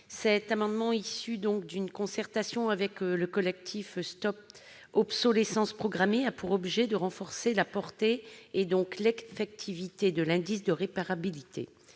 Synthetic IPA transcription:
sɛt̪amɑ̃d̪mɑ̃isyd̪ɔ̃kd̪ynkɔ̃sɛʁt̪asjɔ̃avɛkləkɔlɛk̚t̪ʰifst̪ɔp̚ | ɔpsɔlesɑ̃spχɔɡʁameapuʁɔbʒɛd̪əʁɑ̃fɔʁselapɔʁt̪eːd̪ɔ̃klefɛk̚t̪ʰivit̪ed̪əlɛ̃d̪isd̪əʁepaʁabilit̪ʰḛ

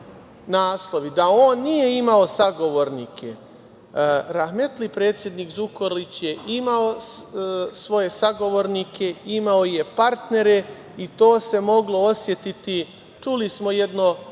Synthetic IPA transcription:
naːslˠo̞ʋid̪aoːnːijeimao̞saɡo̞ʋo̞ɾniːkʰe̞ | ɾaxme̞t̪lipɾe̞ːt̪sje̞d̪niːkzukoɾlit͡ɕje̞ʔimao̞ | sʋo̞je̞saɡo̞ʋo̞ɾnikʰe̞imaoje̞paɾt̪ne̞ɾe̞ | it̪o̞ːse̞mo̞ɡlo̞osje̞t̪it̪i | t͡ʃulismo̞je̞d̪no̞

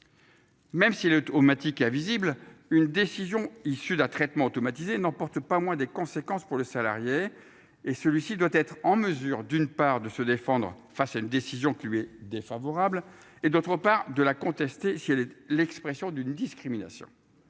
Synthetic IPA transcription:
mɛmsiɛlot̪omat̪ikɛ̃viziblynd̪esizjɔ̃isyd̪ɛ̃t̪χɛt̪mɑ̃ot̪ɔmat̪izenɑ̃pɔʁt̪pamwɛ̃d̪ekɔ̃sekɑ̃spuʁləsala̰ʁjeː | səlɥisid̪wat̪ɛt̪χɑ̃məzyːʁd̪ynpaʁd̪əsəd̪efɑ̃d̪ʁ | fasaynd̪esizjɔ̃kʲilɥiɛd̪efavɔʁabl | ed̪ot̪χəpaʁd̪əlakɔ̃t̪ɛst̪esiɛlɛlɛkspχɛsjɔ̃d̪ynd̪iskχimina̰sjɔ̰̃

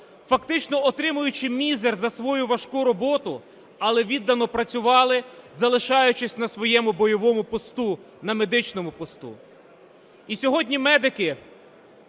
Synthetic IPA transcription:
fɐkt̪ɪt͡ʃnɔɔt̪ɾɪmʊjʊt͡ʃɪmʲizerzɐsʋɔjʊʋɐʃkuɾɔbɔt̪ʊ | ɐlˠɛʋʲid̪ːɐnɔpɾɐt͡sʲʊʋɑlˠɪzɐlˠɪʃɑjʊt͡ʃɪsʲnɐsʋɔjɛmʊbɔjɔʋɔmʊpɔst̪u | nɐmed̪ɪt͡ʃnɔmʊpɔst̪ṵ | isʲɔɦɔdʲnʲimɛd̪ɪkɪ

